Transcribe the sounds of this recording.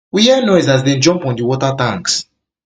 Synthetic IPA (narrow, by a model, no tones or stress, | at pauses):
wijɛnɔɪzazdẽnd͡ʒɔ̃mpɔ̃ndiwɔtatãŋks